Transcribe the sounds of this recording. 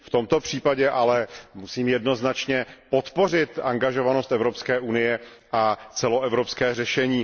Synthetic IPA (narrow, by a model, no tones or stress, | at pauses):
ft̪o̞mt̪o̞pr̝̥iːpaɟɛʔalɛmusiːmjɛdno̞znat͡ʃɲɛpo̞t̪po̞r̝ɪt̪aŋɡaʒo̞vanost̪ɛvɾopskɛːʔunɪjɛ | ʔat͡sɛlo̞ʔɛvɾo̞pskɛːrɛʃɛɲiː